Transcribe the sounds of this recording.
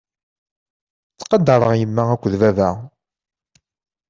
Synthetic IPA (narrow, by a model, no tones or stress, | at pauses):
t͡sːqɑd̪ɑɾˤəʁjəmːæækʷːðvævæ